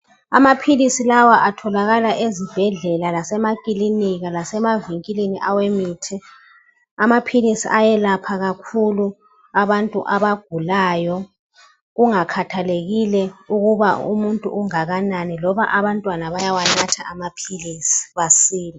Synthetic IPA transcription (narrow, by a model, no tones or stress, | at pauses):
amapʰilisilawaʔatʰɔlaɣalaʔezib̥ʱɛɮɛlalasɛmakʼiliniɣalasɛmaviŋkʼiliniʔawemiːtʰɛ | amapʰilisḭʔajɛlapʰaɣakʰulu | aβantʼṵʔaβaɡ̥ʱulaːjɔ | ɣuŋakʰatʰaleɣilɛuɣuβaṵmuntʼṵʔuŋaɣananilɔβaʔaβantʼwanaβajawanatʰa̰amapʰilisi̥βasiːli